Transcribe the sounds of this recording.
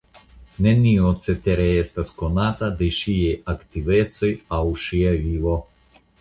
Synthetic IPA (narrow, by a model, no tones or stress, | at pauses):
neniot̪set̪eɾeest̪askonat̪ad̪eʃiajakt̪ivet̪sojawʃiavivo